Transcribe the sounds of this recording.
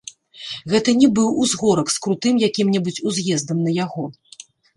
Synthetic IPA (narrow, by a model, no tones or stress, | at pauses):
ɣɛt̪ɐnʲɛbɨwuzɣɔɾɐkskɾut̪ɨmjakʲimnʲɛbut͡sʲuzʲjɛzd̪ɐmnɐjaɣɔ